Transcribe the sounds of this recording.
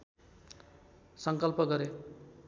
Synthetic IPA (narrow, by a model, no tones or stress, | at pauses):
sʌŋkʌlpʌɡʌɾe